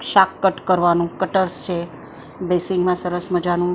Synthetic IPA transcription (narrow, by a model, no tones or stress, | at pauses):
ʃakːəʈkəɾʋanũkəʈəɾst͡ʃʰe | besɪŋɡmãsəɾəsməd͡ʒanũ